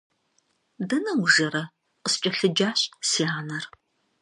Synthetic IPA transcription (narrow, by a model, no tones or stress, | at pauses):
dɐnɐwʒɐɾɐ | qəst͡ʃʼɐɬɨd͡ʒaːɕʼsiːaːnɐr